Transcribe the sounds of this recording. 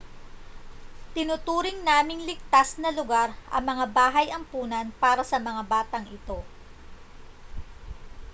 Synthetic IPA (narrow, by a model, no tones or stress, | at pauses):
t̪ɪnʊt̪uːɾɪŋnaːmɪŋlɪɡ̚t̪asnɐlʊɡaɾʔɐ̰ŋmɐŋabaːɦɐjɐŋpuːnɐnpaːɾɐsɐmɐŋabaːt̪ɐŋʔɪt̪o̞